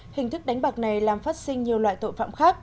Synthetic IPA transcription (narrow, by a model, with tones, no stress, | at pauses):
hï˨˩ŋ̟t̪ʰɨ˦˥k̚ɗa˨˦jŋ̟ɓaː˨˩k̚na˨˩jlaː˨˩mfaː˦˥t̚sï˧ŋɲi˨˩əwlwa̰ː˧˨jt̪o̰˧˨jfa̰ː˧˨mxaː˦˥k̚